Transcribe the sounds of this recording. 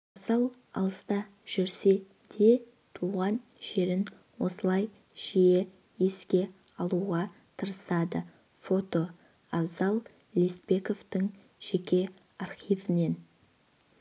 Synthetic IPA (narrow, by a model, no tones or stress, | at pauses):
ɑzɑlˠ | ɑ̰lˠəst̪ɑ | ʒ̥ʏɾse̞ | d̪̥e̞ | t̪ʰuʁɑnʒ̥e̞ɾɪn | wo̞səlˠɑj | ʒ̥ije | eskʲe̞ | ɑlˠuʁɑ | t̪ʰəɾəsɑd̪ə | fo̞t̪o̞ | ɑbzɑlˠ | lʲispe̞ko̞vt̪əŋ | ʒ̥e̞kʲe̞ | ɑrχijvɪne̞n